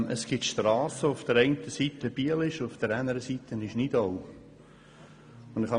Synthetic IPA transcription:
ʔəsɡ̥ɪtʃtrɑːsəʊfd̥əɾɛɪntəsiːtəb̥iəlɪʃʊfd̪̥əɾænəɾəsiːt̪ənɪʃnɪdoʊ | ʊnd̪ɪχhɑ

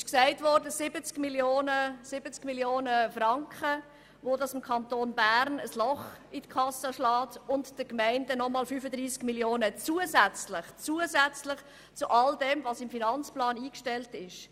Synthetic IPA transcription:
ɪʃksæɪtʋɔɾdəsɪbət͡skmiljoːnəsɪbət͡skmiljoːnəfrɑŋkχə | ʋodɑsɪmkʰɑntoːnbæɾnəslɔχitkʰɑsəʃlɑːtʊntd̥əkmæɪndənɔmɑːlfyːfədɾiːskmiljoːnət͡suəzæt͡slɪχt͡suːəzæt͡slɪχ | t͡suʔɑldɛmvɑsɪmfinɑnt͡splɑːniːkʃtɛltɪʃ

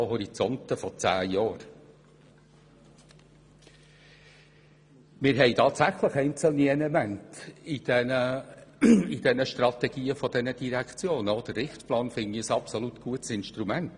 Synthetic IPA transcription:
hɔɾit͡sɔntəfɔt͡sæ̰ːjɑːɾ | mɪɾɦɛɪtʰɑːtsæχləχɛɪnt͡səl̩niɛlɛmæntid̥ɛnə | id̥ɛnəʃtɾɑtɛɡ̥iːəfɔd̥ɛnəd̥iɾækʰt͡sjoːnəɔd̥əɾːɪχtplɑːnfɪŋiəsɑpsɔlut̪ɡ̥uətsɪnʃtɾumænt

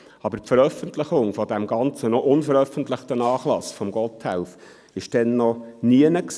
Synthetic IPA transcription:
ɑbəɾpfəɾœfəntlɪχʊŋfɔdæmɡɑnt͡sənɔʔʊnfəɾœfəntlɪχtənɑːχlɑsfɔmɡɔthæ̰ʊf | ɪʃd̥ɛnːɔniənəks

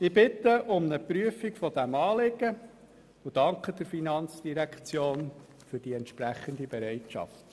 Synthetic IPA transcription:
ɪb̥ɪt̪ːəʔʊmnəpɾyəfikfɔd̥̪æmɑːlɪɡə | ʊd̥ɑŋkʰəd̥̪ɪɾfinɑnt͡sd̥iɾækt͡sjoːn | fɵɾd̥iɛnt̪ʃpɾæχənd̪ibɛɾɛɪtʃɑ̰ft̪

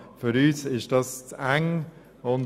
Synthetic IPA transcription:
fyɾyːsɪʃd̥ɑst͡sæŋ | ʊn

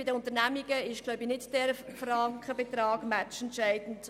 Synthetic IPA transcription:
bɪdəʊnt̪əɾnæmiɡəɪʃɡ̥loʊbinɪtd̥ɛɾfrɑŋkχəbɛtɾɑːɡ̥mæt͡ʃɛntʃæɪdn̩t

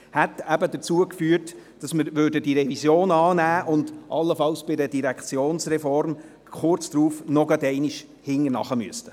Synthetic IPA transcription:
hɛtæbədət͡suəkfyːəɾtd̥ɑsmɪɾʋøɾdədiɾɛvisjoːnɑːnæːʔʊndʔɑlːəfɑlsb̥ɪdədiɾækχt͡sjoːnsrɛfɔɾm | χʊrt͡sdɾuːfnɔɡɑdɛɪniʃ | hɪŋːəɾnɑ̰χəmy̰əstə̥

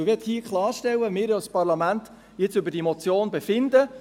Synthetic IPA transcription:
ʋɛthiːəkχlˠɑːɾʃtɛwəmɪːɾjɔspɑɾlɑmænt̪ | jɪt͡sʏbəd̥imɔt͡sjoːnbɛfɪnd̪ə

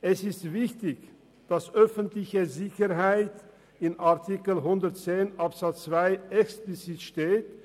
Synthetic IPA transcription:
ʔɛsɪstv̥ɪçtɪç | d̥asʔœfəntlɪçəzɪçəɾɦaɪt | ɪnaʁtʰikəlɦʊndətt͡seːnʔapz̥at͡st͡sv̥aɪɛksplit͡sitʃteːt̚

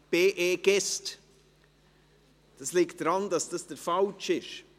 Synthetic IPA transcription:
b̥eːʔeːɡ̥ɛst | d̥ɑslɪkt̚d̥ɾɑndɑsd̥ɑsd̥əɾfɑlt͡ʃɪʃ

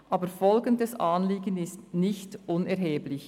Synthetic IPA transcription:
ʔaːbəɾfɔlɡəndɛsʔaːnliːɡənɪstnɪçtʔʊnɛɾɦeːblɪç

